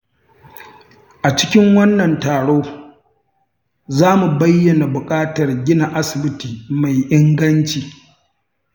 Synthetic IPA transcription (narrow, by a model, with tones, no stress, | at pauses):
ʔa˨t͡ʃɪ̥˦kʲɪ˦ŋwɐ˦nːɐ˨ntaː˨ɽoː˦ | zaː˦mu˨bɐ˦jːɐ˨na˨bʊ˨kʼaː˦tɐ˨rɡʲɪ˦na˨ʔa˦sɪ˨bɪ˦tiː˨ma˨jʔɪ˦ŋɡɐ˦nt͡ʃiː˨